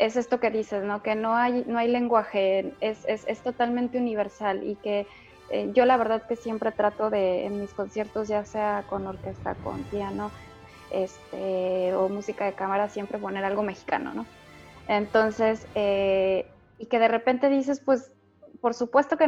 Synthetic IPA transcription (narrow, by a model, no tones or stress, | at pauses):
e̞se̞st̪o̞ke̞ðise̞zno̞ke̞no̞ajno̞ajle̞ŋɡwaxe̞nesese̞st̪o̞t̪almẽnt̪euniβ̞e̞ɾsalḭke̞ | ḛʝo̞laβ̞e̞ɾðaðke̞sje̞mpɾe̞t̪ɾat̪o̞ðe̞̰ːnmisko̞nsje̞ɾt̪o̞zʝaseako̞no̞ɾke̞st̪a̰ko̞̰np̪jano | e̞st̪eomusikaðe̞kamaɾasje̞mpɾe̞po̞ne̞ɾalɣo̞me̞xi̥ka̰no̰no̞ent̪o̞nse̞se | ike̞ð̞e̞re̞pe̞nt̪e̞ðis̬e̞spwe̞s | po̞ɾsupwe̞st̪o̞ke